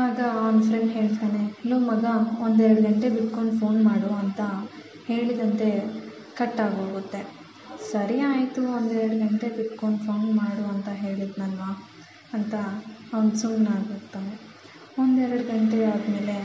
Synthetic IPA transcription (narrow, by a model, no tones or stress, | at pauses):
aːɡɐʋɐnufɾeɳɖɦe̞ːɭt̪aːne̞nuːmɐɡɐond̪ɛɾɐɽɡɐɳʈe̞biʈkːoɳɖpʰo̞ːnmaːɽuɐnt̪ɐ | he̞ːɭid̪ɐnt̪e̞ | kɐʈːaːɡoːɡut̪ːe̞ | sɐɾijaːjt̪uond̪ɛɾɐɽuɡɐɳʈe̞biʈkoɳɖpʰoːnmaːɽuɐnt̪ɐɦe̞ːɭid̪nɐlʋaː | ɐnt̪ɐːʋnd̪suŋɡnaːɡoːɡt̪ːaːne | ond̪ɛɾɐɽuɡɐɳʈeaːd̪me̞ːle̞